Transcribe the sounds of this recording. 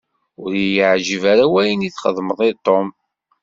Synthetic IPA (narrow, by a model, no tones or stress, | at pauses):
ʊɾjəʕʒəvaɾawæjəniθχəðˤməðˤit̪ˤːom